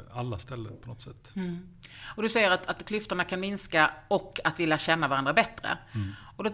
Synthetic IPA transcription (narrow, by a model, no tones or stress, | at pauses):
alːast̪ɛlːəpʰɔnɔt̪sɛt̪ː | ɔd̪ɵsɛjːəɾat̪at̪kʰlʏft̪əɳakʰanmɪnskaɔkːat̪vɪljaɕɛnːavaɾand̪ɾabɛt̪ːɾə̰ | ɔd̪ɔ